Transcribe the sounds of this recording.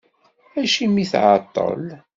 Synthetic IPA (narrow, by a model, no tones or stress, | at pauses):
æʃimːiθʕɑt̪ˤːə̰l